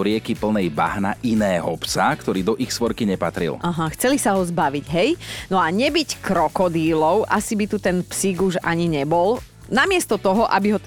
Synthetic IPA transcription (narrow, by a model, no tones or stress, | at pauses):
ɾɪɛkipl̩nɛjba̰ɦna̰ʔinɛːɦɔpsakt̪ɔɾiːd̪ɔʔixsʋɔɾkiɲɛpat̪ɾḭlaɦaxt͡sɛlisaɦɔzbaʋiɟɦɛjnɔaɲɛbickɾɔkɔd̪iːlɔʊʔasibit̪ut̪ɛnpsiɡuʒa̰ɲiɲɛbɔl | namɪɛst̪ɔt̪ɔɦɔʔabiɦɔ